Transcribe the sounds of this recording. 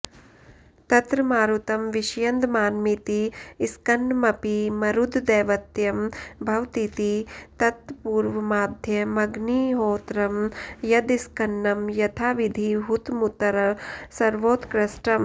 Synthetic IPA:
t̪ɐt̪ɾɐmaːɾut̪ɐmʋiʃjɐnd̪maːnmit̪iːskɐnːmɐpimɐɾud̪ʱd̪eːʋɐt̪jɐmbʱɐʋt̪it̪it̪ɐt̪puːɾʋɐmaːd̪ʱjɐmɐɡniːɦoːt̪ɾɐmjɐd̪iskɐnːɐmjɐt̪ʰaːʋid̪ʱiɦut̪mut̪ɐɾɐsɐɾʋoːt̪kɾɐsʈɐm

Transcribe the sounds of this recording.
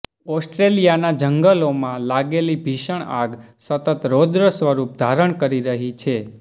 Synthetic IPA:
ɔsʈɾelijanad͡ʒəŋɡəlomãlaɡelibʱiʃəɳ̃a̰ɡ | sət̪ət̪ɾod̪ɾəsʋəɾup̚d̪ʱaɾəɳkəɾiɾəɦit͡ʃʰe

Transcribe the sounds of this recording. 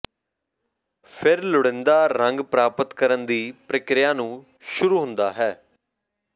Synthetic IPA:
pʰɪɾlʊɽɪnd̪aːɾəŋɡpɾaːpət̪kəɾənd̪iːpɾəkɾɪjãːnũː | ʃʊɾuːɦʊ̃nd̪aːɦɛː

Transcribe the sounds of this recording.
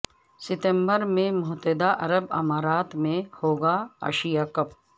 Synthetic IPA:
sɪt̪ə̃mbəɾmẽmʊɦt̪ɛd̪aʔɐɾəbɐ̰maːɾaːt̪mẽhoːɡaa̰ːʃijakɐp

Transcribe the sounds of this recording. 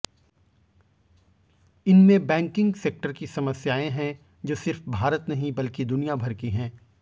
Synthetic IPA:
ɪnmẽbɛ̃ːŋkɪ̃ŋɡseːk̚ʈəɾkisɐməsjaːẽɦɛ̃ | d͡ʒoːsɪɾfbʱaːɾət̪nɐɦĩbɐlkid̪ʊnijabʱɐɾkiɦɛ̃ː

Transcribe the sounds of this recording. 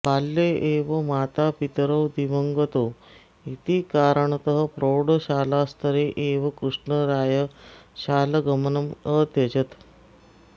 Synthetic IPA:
palːeʔeʋəmaːt̪apit̪əɾəwd̪iʋəŋɡət̪o | it̪iːkaɾəɳt̪əɦəpɾoɽəɕaːlast̪ʰəɾeʔeʋəkɾuʂɳəɾaːjəɕaːləɡəmənəmət̪ed͡ʑət̪

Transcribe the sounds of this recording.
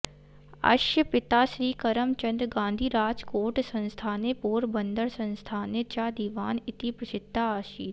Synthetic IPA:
ɐ̰ʃjəpɪt̪aːʃɾiːkɐɾəmt͡ʃɐ̃nd̪ɾɡãːnd̪ʱiːɾaːd͡ʒkoːɾʈsɐ̃nst̪ʰaːnepoːɾbə̃nd̪əɾsɐ̃nst̪ʰaːnet͡ʃaːd̪iːʋaːnɪt̪ipɾɐsɪd̪ːaːʃiːt̪

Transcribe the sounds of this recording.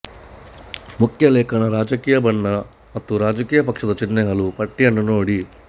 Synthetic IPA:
mukʰjɐleːkʰɐɳɐɾaːd͡ʒɐkiːjɐbɐɳːɐ | mɐt̪ːuɾaːd͡ʒɐkiːjɐpɐkʂɐd̪ɐt͡ʃinːeɦɐlupɐʈːijɐnːunoːɽi

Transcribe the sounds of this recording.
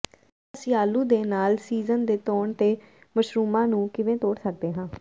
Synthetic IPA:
əsɪjaːluːd̪eːnaːlsiːzənd̪eːt̪oːɳt̪eː | məʃɾuːmãːnũːkɪʋẽːt̪oːɽsək̚d̪eːɦãː

